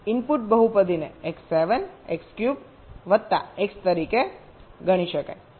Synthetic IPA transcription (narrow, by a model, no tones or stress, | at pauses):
inpuʈ̚bəɦupəd̪ʱineeksːeʋənekskjub | ʋəd̪̚t̪ːa̰ekst̪əɾike | ɡəɽ̃iʃəka̰j